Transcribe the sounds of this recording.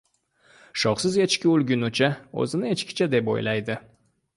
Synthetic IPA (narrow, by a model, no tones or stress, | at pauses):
ʃɒχsɪzet͡ʃkʲɪulˠɡʲynut͡ʃʰao̰zɪnɪet͡ʃkʲɪ̥t͡ʃʰad̪e̞po̰jlajd̪ɪ